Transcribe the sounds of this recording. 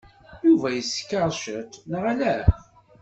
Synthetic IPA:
juvæjəskːəɾˤʃət̪nʁælæ

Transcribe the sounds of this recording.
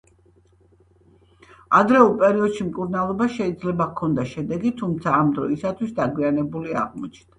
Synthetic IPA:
ad̪ɾɛupʼɛɾiɔd̪ʃimkʼuɾnalˠɔbaʃɛid̪zlɛbakʰːɔnd̪aʃɛd̪ɛɡit̪ʰumt̪sʰaːmd̪ɾɔisat̪ʰwisd̪aɡwianɛbulia̰ʁmɔ̰t͡ʃʰnd̪̥a

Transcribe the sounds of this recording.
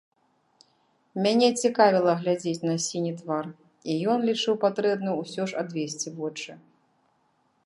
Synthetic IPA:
mʲanʲɛt͡sʲikavʲilˠɐɣlʲad͡zʲet͡sʲnɐsʲinʲit̪var | ijɔnlʲit͡ʂɨwpat̪ɾɛbnujuusʲɔʂad̪vʲesʲt͡sʲivɔt͡ʂɨ

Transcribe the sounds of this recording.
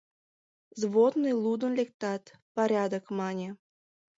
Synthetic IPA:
zβod̪nɨjlˠud̪ə̆nlʲek̚t̪ɑt̪paɾʲɑd̪əkmɑnʲe

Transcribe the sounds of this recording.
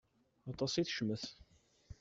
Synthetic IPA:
ɑt̪ˤɑsˤiθʃməθ

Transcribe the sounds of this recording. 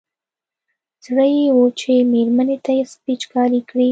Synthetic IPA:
zɽəjewot͡ʃemeɾmanet̪ajespit͡ʃkɑɾikɽi

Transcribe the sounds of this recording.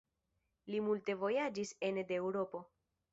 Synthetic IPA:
limulte̞vo̞jad͡ʒise̞nde̞wɾo̞po̞

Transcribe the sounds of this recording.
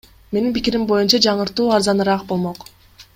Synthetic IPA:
me̞ninpikiɾimbo̞junt͡ʃɑd͡ʒɑɴɯɾt̪uːɑɾzɑnɯɾɑq̚bo̞lˠmo̞q

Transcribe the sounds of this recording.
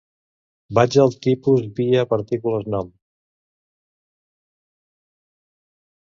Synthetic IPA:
bad͡ʒəlˠt̪ipuzβiəpəɾt̪ikuləznɔm

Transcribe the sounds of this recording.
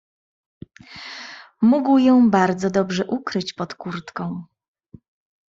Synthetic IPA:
muɡwjɔ̃w̃baɾd̪zɔd̪ɔbʐɛʔukɾɘt͡ɕpɔt̪kuɾt̪kɔ̃w̃

